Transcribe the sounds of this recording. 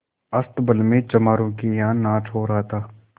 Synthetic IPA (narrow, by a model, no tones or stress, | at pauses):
ɐst̪bəlmẽt͡ʃɐmaːɾõkijaːnːaːt͡ʃʰoːɾaɦt̪ʰaː